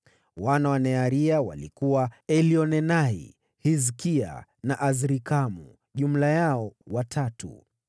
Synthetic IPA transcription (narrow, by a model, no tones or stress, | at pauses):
wanawanɛaɾiawa̰likuwaɛliɔnɛnaḭ | hizkia̰naʔazɾikamu | ʄum̩lajaɔwatʰatṵ